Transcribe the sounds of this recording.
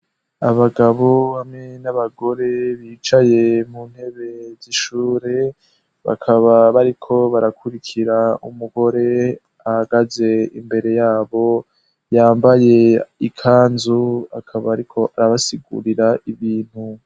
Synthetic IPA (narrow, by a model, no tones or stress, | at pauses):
aβaɡaβo̞βamŋe̞naβaɡo̞ɾe̞βiːt͡ʃaje̞mun̥he̞βe̞ziʃuːɾe̞ | βa̰kʰaβaβaɾikʰo̞βaɾakʰuɾikʰiɾaṵmuɡo̞ɾe̞ | ahaɡaze̞ḭmbe̞ɾe̞jaːβo̞ | jaːmbaje̞ikʰaːnzuakʰaβaːɾikʰo̞ʔaɾaβasiɡṵɾiɾaʔiβiːn̥hu